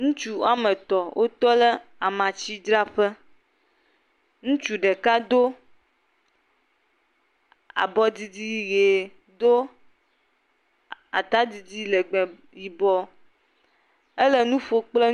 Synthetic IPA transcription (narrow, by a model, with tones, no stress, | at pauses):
ŋũ˦t͡ʃu˦a˦mẽ˨t̪ɔ˨wʔo˦t̪ɔ˦le˦a˨mã˨t͡ɕi˦d͡ʒ̪ɾa˦ɸɛ˦ | ŋũ˦t͡ʃu˨ɖɛ˨ka˦d̪o˦ | a̰˨bɔ˦di˨di˦˨˦ɣe˨ | d̪o˦ | a̰˨t̪a˦d̪i˨d̪i˦lɛ˨ɡ͡bɛ˨ | ji˨bɔ˦ | e˦le˦nũ˦ɸo˦k͡ple˦